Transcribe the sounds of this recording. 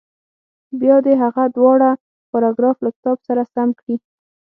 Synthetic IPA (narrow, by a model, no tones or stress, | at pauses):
bjɑd̪eɦaɣad̪wɑɽa | xʊɾɑɡɾɑflakɪ̥t̪ɑbsaɾasamkɽi